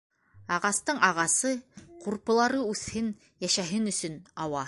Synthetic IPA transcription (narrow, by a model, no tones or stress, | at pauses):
ɑʁɑst̪ɤɴɑʁɑsɤquɾpɤ̆lˠɑɾɤʉθhɘn | jæʃæɦɘnɵ̆sɵnɑwɑ